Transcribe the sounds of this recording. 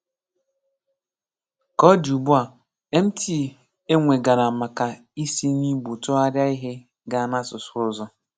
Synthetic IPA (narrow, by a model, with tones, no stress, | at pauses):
kɔ˦du˨bu˦a˨ | e˦m̩˦tʰi˦˨ | e˦ŋʷe˨ɡa˨ɾa˨ma˨ka˨ | i˦si˦ni˦bu˨tɔ˦a˦ɾja˦i˦ɦɪ˦ | ɡa˨˦na˦sʊ˨sʊ˦ʊ˦zɔ˦